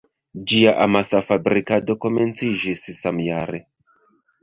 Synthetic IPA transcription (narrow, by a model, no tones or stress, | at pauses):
d͡ʒiaʔamasafabɾikado̞ko̞me̞nt͡sid͡ʒissamjaɾe